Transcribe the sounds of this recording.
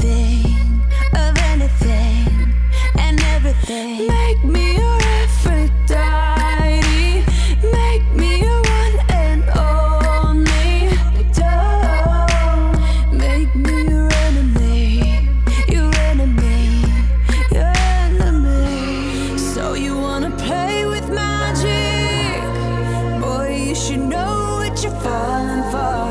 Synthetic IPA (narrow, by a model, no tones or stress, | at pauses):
ɪŋʔʌvɛniθɪ̃ŋ | ʔɨ̃nɛvɹiθɪ̃ | meɪk̚mijə | ɛfə | d̥a | ɪ | ɾi | meɪk̚miəwʌ̃n | ɨɛ̃n | ɔ | n | i | do | meɪk̚mijə˞ɛnɨmi | jə˞ɛnɨmi | jə˞ɛnəmi | soʊjɨwɑ̃nəpʰleɪwɪðmæ | d͡ʒɪ | k | b̥ɔɪjɨʃɨdⁿnoʊ | wʌt͡ʃə˞fɔ | lɪ̃ŋfə˞